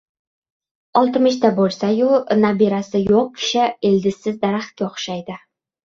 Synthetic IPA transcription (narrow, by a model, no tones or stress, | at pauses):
ɒlˠt̪ɪmɪʃt̪abolˠsajʊnabiɾasɪjoq̚kʲʰɪ̥ʃɪeld̪ɪsːɪzd̪aɾaχt̪̚kʲaoχʃajd̪ɪ